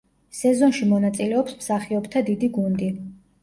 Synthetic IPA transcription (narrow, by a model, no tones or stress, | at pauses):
sɛzɔnʃimɔnat̪sʼilɛɔpsmsaχiɔbt̪ʰad̪id̪iɡund̪i